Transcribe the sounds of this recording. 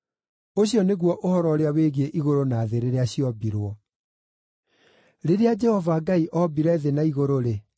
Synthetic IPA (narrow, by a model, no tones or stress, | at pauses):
oɕjɔneɣwɔʔohɔɾɔɾeaweɣieʔiɣoɾonaːðeɾeɾeaɕiɔbiɾwɔ | ɾeɾead͡ʒɛhɔvaɡaiʔɔbiɾɛðenaiɣoɾoɾe